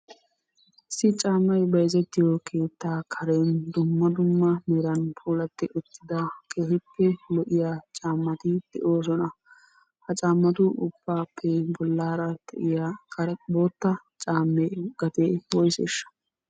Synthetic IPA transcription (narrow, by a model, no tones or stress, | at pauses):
ɪsːɪt͡ʃʼaːmːɐjbɐjzɛt̪ːɪjɔkʰe̞ːt̪ːaːkʰɐɾeːnd̪ʊmːɐd̪ʊmːɐmɛɾɐnpʰuːlɐt̪ːɪʔʊt̪ːɪd̪ɐkʰeːhɪpːɛlɔʔɪjaːt͡ʃʼaːmːɐt̪ɪd̪̥ɛ̰ʔo̞ːs̬ɔnɐ | hɐt͡ʃʼaːmːɐt̪ʊʔʊb̥ːaːpʰːɛbɔlːaːɾɐd̪̥ɛ̰ʔɪjaːkɐboːt̪ːɐ | t͡ʃʼaːmːeːɡɐt̪eːwɔjsɛ̰ʃːɐ̥